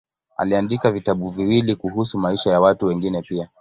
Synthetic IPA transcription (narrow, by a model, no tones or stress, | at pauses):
a̰liandikavitaɓuviwilikuhusumaiʃajawatuwɛŋɡinɛpia